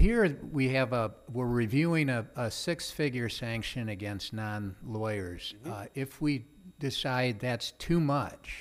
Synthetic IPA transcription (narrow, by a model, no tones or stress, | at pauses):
hiɹwiɨvəwɪɹɹivjʉɪ̃ŋɨəsɪksfɪɡjə˞sæ̃ŋkʃɨ̃nɨɡɛ̃nstⁿnɑ̃nlɔɪə˞z̥ɪfwi | d̥ɪsaɪd̪̚ðætstʰʉmʌt͡ʃ